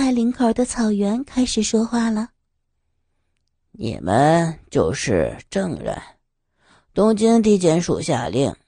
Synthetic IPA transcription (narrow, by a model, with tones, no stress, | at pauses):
a˥˩ɪli˧˥ŋkʰə˞˨˩d̪ə˦t͡sʰɑ˨˩ʊɥɛ˧˥nkʰa˥ɪʂɻ̩˨˩ʂwɔ˥xwa˥˩lə˩ | nḭ˨˩mʔə˦nt͡ɕjo˥˧ʊʂɻ̩˥˧ʈ͡ʂɤ˥˧ŋɻə̰˥˩n | t̪ʊ˥ŋt͡ɕi˥ŋt̪̬i˥˩t͡ɕjɛ˧˥nʂṵ˨˩ɕja̰˥˧lḭ˥˩ŋ